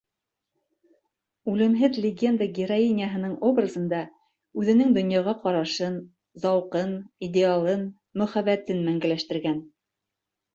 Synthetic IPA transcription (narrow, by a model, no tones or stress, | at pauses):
ʉlɘ̆mɦɘðlʲɪɡʲe̞nd̪əɡʲɪɾoinʲɪjəɦɤ̆nɤɴobrazɤ̆nd̪ɑ | ʉðɘ̆nɘŋd̪ŏnjɑʁɑqɑɾɑʃɤn | zɑwqɤnidʲɪalˠɤn | mɵ̆χæβæt̪ɘnmæŋɡælæʃt̪ɘ̆ɾɡæn